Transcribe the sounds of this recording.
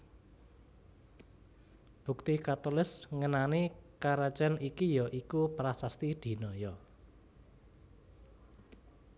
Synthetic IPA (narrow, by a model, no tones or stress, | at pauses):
b̥ṳk̚t̪ikat̪olɪsŋənanikaɾat͡ʃɛnikijɔʔikupɾasast̪id̪̥i̤nɔjɔ